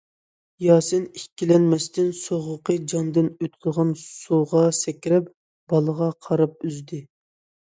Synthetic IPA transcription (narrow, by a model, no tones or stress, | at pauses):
jɑːsɨnikʲːilɛnmɛst̪ɪnsoʁʊqəd͡ʒɑnd̪ɪnøt̪kʲʰəʁɑnsuʁɑsɛkʲɾɛp | b̥ɑlˠəʁɑqʰɑɾɑp̚yzd̪ɪ